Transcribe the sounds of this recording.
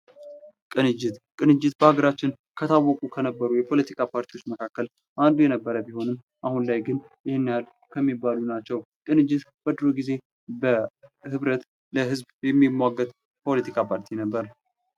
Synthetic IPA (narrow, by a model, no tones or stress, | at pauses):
kʼɨnɨd͡ʒːɪt̪kʼɨnɨd͡ʒːɪt̪bəhaɡəɾat͡ʃːɪn | kʰət̪ʰawːɔkʼukʰənəbːəɾujɛpʰo̞lət̪ʰikʰʼapʰaɾt̪ʰiwot͡ʃːməkʰakːəl | ʔand̪ujɛnəbːəɾəbiho̞nɨm | ʔahunlajɡɨn | jɪhɪnːjal | kʰəmːibːalunat͡ʃːɛw | kʼɨnɨd͡ʒːɪt̪b̥əd̪ɾoɡize̞ | bəhɨβɾət̪ | ləɦɨzbjɛmːimːaɡːət̪ʼ | pʰo̞lət̪ʰikʰapʰaɾt̪ʰinəbːəɾ